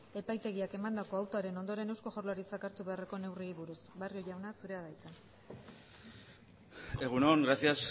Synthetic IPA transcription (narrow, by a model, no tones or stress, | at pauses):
e̞pajt̪e̞ɣiake̞mand̪ako̞awt̪oaɾe̞no̞nd̪o̞ɾe̞ne̞wsko̞xo̞rlaɾit͡sakaɾt̪uβe̞are̞ko̞ne̞wriiβuɾusbario̞ʎawnasuɾe̞aðajt̪a | e̞ɣunoŋɡɾasias